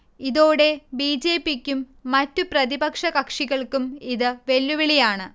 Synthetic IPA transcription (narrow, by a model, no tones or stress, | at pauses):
iðoːɽe̞biːd͡ʑeːpːikʲːumː | ɐtːuprɐðibɐkʂɐkɐkʂiɣɐɭkumiðɨʋe̞lːuʋiɭijaːɳɨ